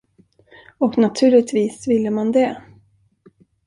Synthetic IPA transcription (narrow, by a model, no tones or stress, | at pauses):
ɔknat̪ʰʉ̟ːɭɪɡ̚t̪viːsvɪlːəmand̪ɛ